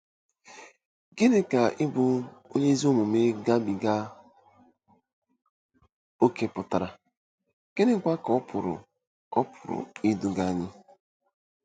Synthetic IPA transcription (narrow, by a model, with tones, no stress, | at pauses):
ɡɪ˦dɪ˦ka˨ʔɪ˦bʊ˨o˦ɲe˦i˦zi˦o˦mu˨me˦ɡa˦bi˨ɡa˦ | o˦ke˦pʊ˨ta˨ɾa˨ | ke˦nɪ˦kʷa˦kɔ˦pʰʊ˨ɾʊ̰˨ | ɔ˦pʰʊ̥˨ɾʊ̰˨i˦du˦ɡa˦˨ɲɪ˦